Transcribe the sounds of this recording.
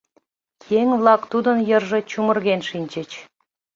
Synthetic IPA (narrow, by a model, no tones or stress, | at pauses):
keŋβlˠɑkt̪ud̪ənjərʒĕt͡ɕumərɣenʃinʲt͡ɕə̆t͡ɕ